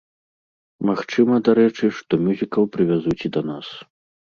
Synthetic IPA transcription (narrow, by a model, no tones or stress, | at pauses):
maxt͡ʂɨmɐd̪aɾɛt͡ʂɨʂt̪ɔmʲuzʲikɐwpɾɨvʲazut͡sʲid̪ɐnas